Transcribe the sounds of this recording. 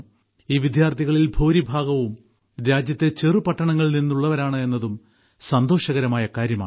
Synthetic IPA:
iːʋid̪ʱjaːrt̪ʰiɣɐɭilbʱoːɾibʱaːɡɐʋum | ɾjaːd͡ʑjɐt̪ːe̞t͡ɕerɨpɐʈːɐɳɐŋːɐɭninːuɭːɐʋɐɾaːɳɨe̞nːɐðum | sɐnd̪o̞ːɕɐɣɐɾɐmaːjɐkaːɾjɐmaːɳ

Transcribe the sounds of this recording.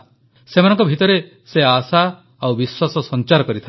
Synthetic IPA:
semanɔ̃ŋkɔbʱit̪ɔɾe | seasa | awbiswasɔsɔnt͡ʃaɾɔkɔɾit̪ʰa

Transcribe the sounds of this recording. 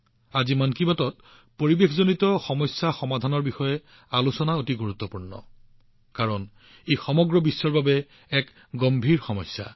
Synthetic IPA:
azimankibatɔt̚ | poɹibexʰzonitɔxɔmɔjsːaxɔmadʱanɔɹbixɔjɛ | alusɔnaotiɡuɹut̪ːɔpuɹnɔ̰ | kaɹɔn | ejxɔmɔɡɹɔbisːɔɹbabɛ | ɛk | ɡombʱiɹxɔmɔjsːa̰

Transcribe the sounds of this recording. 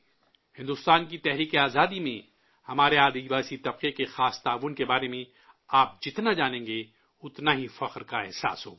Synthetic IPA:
hɪ̃nd̪ʊst̪aːnkit̪ɛɦɾiːkeaːzaːd̪imẽ | hɐmaːɾeaːd̪iʋaːsit̪ɐb̚qekexaːst̪aːʋʊnkebaːɾemẽ | aːp̚d͡ʒɪt̪nad͡ʒaːnẽːŋɡe | ʊt̪naɦifɐqɾkaɛɦsa̰ːsɦo̰ː

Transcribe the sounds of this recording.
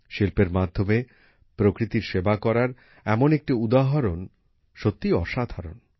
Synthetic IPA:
ʃilpeɾmad̪ʱːome | pɾokɾit̪iɾʃebakɔɾaɾ | ɛmonek̚ʈiud̪aɦaɾon | ʃot̪ːiɔʃad̪ʱaɾon

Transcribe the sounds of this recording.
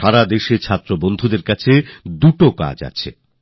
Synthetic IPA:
aɾad̪eʃet͡ɕʰat̪ːɾobond̪ʱud̪eɾkat͡ɕʰed̪uʈoka̰d͡ʑa̰t͡ɕʰḛ

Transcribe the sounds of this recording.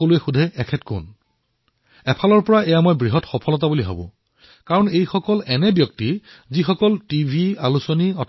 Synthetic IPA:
olʊɛxudʱɛɛkʰɛtkʊ̰n | ɛpʰalɔɹpɔɹaɛjamojbɹiɦɔtxɔpʰɔlɔt̬abuliɦa̰bʊ̰̃ | kaɹɔnejxɔkɔlɛnɛbjɔk̚ti | zixɔkɔltibʱialusɔniɔt

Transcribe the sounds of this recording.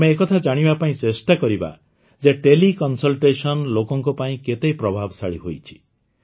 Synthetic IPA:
meːkɔt̪ʰad͡ʒaɽ̃ibapaĩsesʈakɔɾiba̰ | d͡ʒeʈelikɔnsɔlʈesɔnlokɔŋkɔpaĩket̪ejpɾɔbʱabsaɭiɦojt͡ʃʰi̥

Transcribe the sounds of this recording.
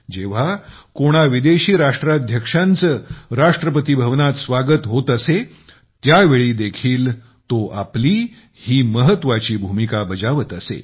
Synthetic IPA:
d͡ʑeʋ̤a | koɽ̃aʋid̪eɕiːɾaʂʈɾad̪ʱjəkʂant͡səɾaʂʈɾəpət̪ibʱəʋnat̪sʋaɡət̪ɦot̪əse | t̪jaʋeɭiːd̪ekʰiːl | t̪oʔa̰pliː | hiːməɦət̪ːʋat͡ɕiːbʱumikabəd͡zaʋət̪əsḛ

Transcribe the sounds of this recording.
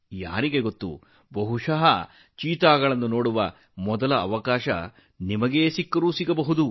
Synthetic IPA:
ja̰ːɾiɡe̞ɡot̪ːṵ | bɐɦuʂɐɦɐ | t͡ʃiːt̪aːɡɐɭɐnːunoːɽuʋɐ | mɔd̪ɐlɐːʋɐkaːʃɐ̰ | nimɐɡe̞ːsikːɐɾuːsiɡɐbɐɦud̪u

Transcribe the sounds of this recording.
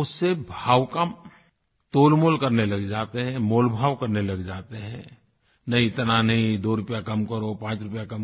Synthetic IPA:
ʊsːebʱaːwkam | t̪oːlmoːlkəɾnelɐɡd͡ʒaːt̪eɦɛ̃moːlbʱaːwkəɾnelɐɡd͡ʒaːt̪eɦɛ̰̃ | nɐɦĩɪt̪nanɐɦĩd̪oːɾʊpjakɐmkəɾopãːt͡ʃɾʊpjakɐm

